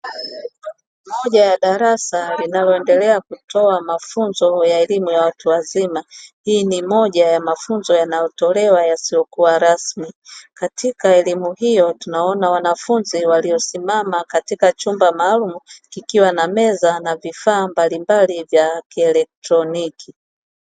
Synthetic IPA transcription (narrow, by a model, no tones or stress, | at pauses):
mɔʄajaɗaɾasalinalɔɛndɛlɛakutʰɔamafunzɔjaɛlimujawatuwazimahiːnimɔʄajamafunzɔjanajɔtɔlɛwajasijɔkuwaɾasmikatikaɛlimuhijɔtunaɔnawanafunziwalijɔsimamakatikat͡ʃumbamaːlumukikiwanamɛzanavifaːmbalimbalivjakiɛlɛk̚tɾɔniki